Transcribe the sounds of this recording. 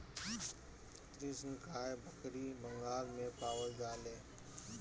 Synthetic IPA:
t̪ɾiːsəŋkʰaːjbʱəkɾiːbəŋɡaːlmẽpaːʋəld͡ʒaːleː

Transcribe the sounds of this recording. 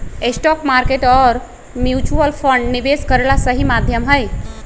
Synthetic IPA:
esʈɔkmaɾkeʈɔːɾ | mjut͡ʃuəlpʰəɳɖnibeskəɾelasəɦimad̪ʱjəmɦəj

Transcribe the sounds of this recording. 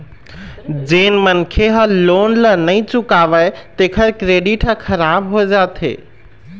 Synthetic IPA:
d͡ʒenmənkʰeɦə̃lonlənəɪt͡ʃukabət̪ekʰəɾkɾeɖiʈɦəkʰəɾabɦod͡ʒat̪ḛ

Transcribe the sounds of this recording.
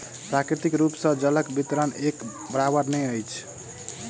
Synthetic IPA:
pɾakɾit̪ikɾupsə̃d͡ʒələkbit̪ɾənek | bəɾabəɾnɛjəjt͡ʃʰ

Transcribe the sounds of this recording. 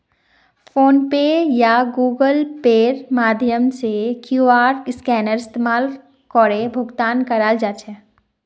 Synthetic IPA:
fʰoːnpeːjaɡuːɡəlpeːɾmaːd̪ʱjəmsekjuaːɾʈɪskɛːnəɾɪst̪eːmaːl | kɔːɾebʱʊɡt̪aːnkəɾaːld͡ʒaːt͡ʃʰɛː

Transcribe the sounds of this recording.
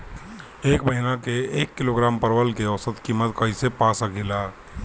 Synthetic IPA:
eːkbəɦinakeeːkːɪloɡɾaːmpəɾwəlkeɔsət̪kiːmət̪kəɦisepaːsəɡɪlaː

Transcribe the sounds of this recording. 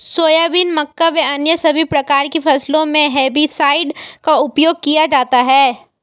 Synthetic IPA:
soːjaːbinmɐkːaʋeɐnjəsɐbʱipɾɐkaːɾkefɐslõmẽɦɛːbisaːɪɖkaʊpjoːɡ̚kijad͡ʒaːt̪aɦɛː

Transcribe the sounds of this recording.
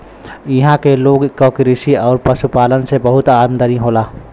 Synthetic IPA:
ɪɦãkeloːɡkokɪɾɪʃiɔːɾpɐʃupaːlənsebɐɦʊt̪aːmd̪əɾiɦoːlaː

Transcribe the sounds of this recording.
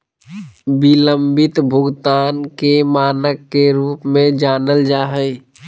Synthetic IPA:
bɪlə̃mbɪt̪bʱʊɡt̪aːnkemaːnəkːeɾuːpmẽd͡ʒaːnəld͡ʒaːɦəi

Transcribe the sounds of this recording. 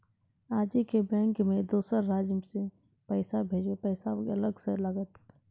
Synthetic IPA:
aːd͡ʒikebɛ̃ːŋkmẽd̪oːsəɾːaːd͡ʒse | pɛːsabʱeːd͡ʒwepɛːɪsaɐləɡseləɡət̪

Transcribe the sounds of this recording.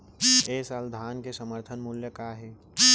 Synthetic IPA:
eːsald̪ʱaːnkesəməɾt̪ʰənmʊljəkaːɦeː

